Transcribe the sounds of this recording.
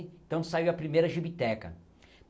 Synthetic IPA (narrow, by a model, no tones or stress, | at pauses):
ẽt̪ɐ̃w̃saiwɐpɾimejɾɐʒibit̪ɛkɐ̰